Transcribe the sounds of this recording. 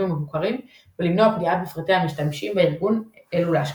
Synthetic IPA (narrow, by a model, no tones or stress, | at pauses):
umevukaʁim | velimno̞apdiat̪̚befʁit̪ehamiʃtamʃimbeiʁɡuneluleaʃ